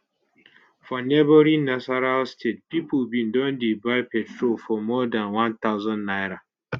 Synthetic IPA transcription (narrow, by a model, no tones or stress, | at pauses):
fɔnɛboɾĩnasaɾalstʰet̚pipəlbĩndɔ̃ndibaɪpɛtʰɹolfɔmɔdãnwãnt̪aʊzɔ̃nːajɾa